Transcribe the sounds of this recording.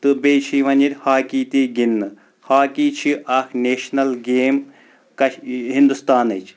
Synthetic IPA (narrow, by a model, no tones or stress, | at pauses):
t̪ɨbeːt͡ʃʰiʋɐnʲit̪ʲhaːkiːt̪iːɡinːɨ | haːkiːt͡ʃʰiʔɐkʰneːʃnɐlɡeːm | kɐʃɦind̪ust̪aːnɐt͡ʃʰ